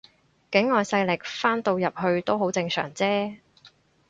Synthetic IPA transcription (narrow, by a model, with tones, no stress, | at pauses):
kɪ˨˥ŋːɔː˨jsɐ˧jlɪ˨˩k̚faː˥nt̪o˧wjɐ˨p̚hɵ˧ɥt̪o˥wɦo˨˥wt͡sɪ˧ŋsœ̰ː˨˩ŋt͡sɛː˥